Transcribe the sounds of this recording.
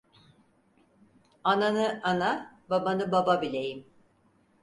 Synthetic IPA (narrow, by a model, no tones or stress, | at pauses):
ananɯanababanɯbababilʲejim